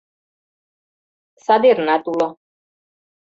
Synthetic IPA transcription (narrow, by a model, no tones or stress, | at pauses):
sad̪iɾnat̪ʼulɔ